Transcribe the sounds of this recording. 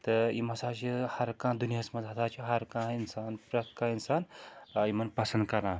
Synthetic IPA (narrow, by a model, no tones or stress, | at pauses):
t̪ɨimɐsaːt͡ʃʰihɐɾkãːd̪unijasmɐzɦɐt̪ʰaːt͡ʃʰiɦɐɾkãːinsaːnpɾɐt̪kãːinsaːnimɐnpɐsɐnd̪̚kɐɾãː